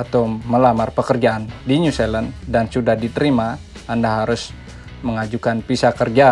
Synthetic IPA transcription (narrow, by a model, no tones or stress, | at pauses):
at̪awməlamarpəkərd͡ʒaandiɲuseləndansudahdit̪əɾima | andaɦaɾʊs | məŋad͡ʒukanpisakərd͡ʒa